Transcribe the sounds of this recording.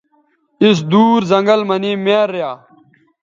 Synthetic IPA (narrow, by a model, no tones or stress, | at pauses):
is̬d̪uːɾzɐŋɡəlmɐniːmeːɾːjaː